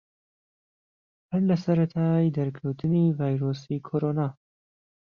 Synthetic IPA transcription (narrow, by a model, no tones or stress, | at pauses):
hɐnlɐsɐɾɐt̪ʰaːjd̪ɐɾkʰɐwt̪ʰɨniːvaːjɾoːsikʰoːɾonaː